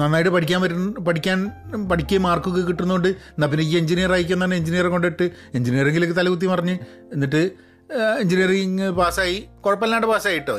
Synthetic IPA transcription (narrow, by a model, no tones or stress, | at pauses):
nɐnːaːjiʈːɨpɐʈʰikʲːaːnʋɐɾunːpɐʈʰikʲːaːnpɐʈʰikʲːemaːrkukːɨkiʈːunːuɣoɳɖɨnːɐp̬ːinek̬ʲːieɲd͡ʑinijɐraːjik̬ʲːumnːɐnːeeɲd͡ʑinijɐrko̞ɳɖɨeʈːɨ | eɲd͡ʑinijɐreŋɡilkːɨt̪ɐlɐɣut̪̬ːipɐrɐɲːɨ | enːiʈːɨ | eɲd͡ʑinijɐripaːsaːjikoɻɐpːelːaːɳʈːɨpaːsaːjiʈːoː